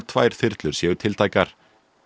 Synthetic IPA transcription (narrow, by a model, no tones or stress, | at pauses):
t̪ʰv̥a̰ːjɾ̥θɪɾt̪lʏɾsjɛːɣʏɾt̪ʰɪlt̪ʰaːjkaɾ̥